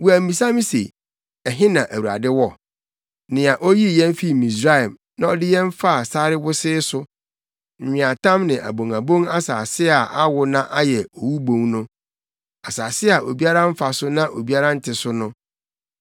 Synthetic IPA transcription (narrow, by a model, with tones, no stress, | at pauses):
wu˨æ˨m̩˦bĩ˨sã˦mĩ˦sḛ˨ | ɛ˨ɦɪ̃˦nã˨ʔæ˨wu˨ɾa̰˨dɪ˦wɔ˦˨ | nɪ̃˨a˨ʔo˦ji˦˨jɛ̃˦m˦fi˦˨mĩ˨s̬ɾa˦˨m | nã˨ɔ˦dɪ˦jɛ̃˦m˦fa˦a˨sa˦ɾɪ˦wʊ˦sɪː˦sʊ˦ | m̩˨ɲᶣɪ̃˨a˨tʰã˦mnɪ̃˨ʔæ̰˨bõ˨ŋa˨bõ˦ŋa˦saː˨sɪ˦a˨ʔa˦wʊ˨nã˦ʔa˦jɛ˨ɔ˨wu˦bõ˦˨ŋnʊ̃˦ | a˨saː˨sɪ˦a˨ʔo˨bi˦a˦ɾã˦m̩˦fa˨sʊ˦nã˦ʔo˨bi˦a˦ɾã˦n̩˦tʰɪ˨sʊ˦nʊ̃˦